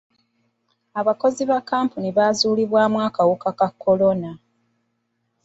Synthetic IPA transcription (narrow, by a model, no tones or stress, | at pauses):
aβako̞ziβakːaːmpuniβaːzuːliβwaːmwaːkawukakakʰːo̞lo̞na